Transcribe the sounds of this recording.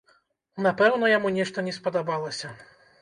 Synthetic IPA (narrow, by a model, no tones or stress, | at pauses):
napɛwnɐjamunʲɛʂt̪ɐnʲɛspɐd̪abalˠɐsʲɐ